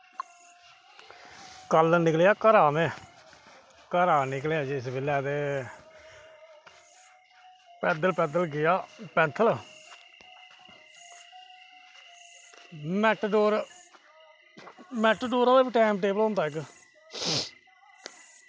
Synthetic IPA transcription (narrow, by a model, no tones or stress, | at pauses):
kəlnɪkljaːkəɾaːmẽː | kəɾaːnɪkljaːd͡ʒɪsbɪlːaːt̪eː | pɛːd̪əlpɛːd̪əlɡɪjaːpɛ̃ːnt̪ʰəl | mɛʈɖoːɾ | mɛːʈɖoːɾoeːbiːʈɛːmʈeːbəlɦõnd̪aːɪk